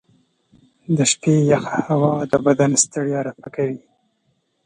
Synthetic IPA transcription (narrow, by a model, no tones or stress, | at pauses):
d̪əʃpejaxahawɑd̪əbad̪anst̪aɽijaɾafakawi